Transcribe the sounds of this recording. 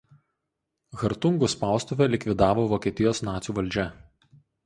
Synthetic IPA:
ɣɐɾt̪ʊŋɡʊspɑˑʊst̪ʊʋʲɛlʲɪkʲʋʲɪd̪ɑːʋoːʋokʲiːt̪ʲɪjoːsnɑːt̪sʲuːʋɐlʲd͡ʒʲɛ

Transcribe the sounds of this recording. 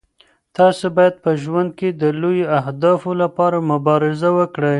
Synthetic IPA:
t̪ɑsobɑjad̪̚pəʒwand̪̚ked̪əlojoaɦd̪ɑfolapɑɾamʊbɑɾɪzawəkɽəj

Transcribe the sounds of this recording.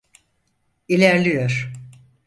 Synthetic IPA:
ilʲæɾlʲijoɾ̥

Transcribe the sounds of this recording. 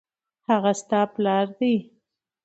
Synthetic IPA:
haɣast̪ɑplɑɾd̪i

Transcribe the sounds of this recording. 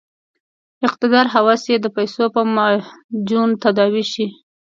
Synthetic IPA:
ɪqt̪ɪd̪ɑɾɦawɑsjed̪əpajsopəmad͡ʒunt̪ad̪ɑwiʃi

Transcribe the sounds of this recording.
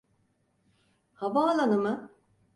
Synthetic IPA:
havaːlˠanɯmɯ

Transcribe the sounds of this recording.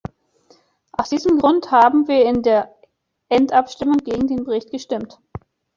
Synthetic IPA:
ʔaʊsd̥iːzəmɡʁʊnthaːbm̩viːɐɪndeːɐ | ʔɛntʔapʃtɪmʊŋɡeːɡŋ̩deːnbəʁɪçt̚ɡ̥əʃtɪmt

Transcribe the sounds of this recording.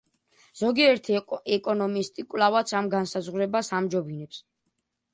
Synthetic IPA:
z̥ɔɡiɛɾt̪ʰiɛkʼɔnɔmist̪ʼikʼwvlavat̪sʰamɡansazʁuɾɛbasamd͡ʒɔbinɛps

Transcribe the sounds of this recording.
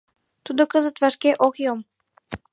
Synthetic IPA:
t̪ud̪okəzət̪vɑʃkeʔokjom

